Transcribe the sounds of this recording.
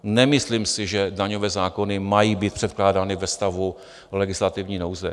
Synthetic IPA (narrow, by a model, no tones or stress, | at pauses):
nɛmɪsliːmsɪʒɛdaɲo̞vɛːzaːko̞nɪmajiːbiːt̪̚pr̥ɛt̪̚klaːdaːnɪvɛst̪avu | lɛɡɪslat̪ɪvɲiːnowzɛ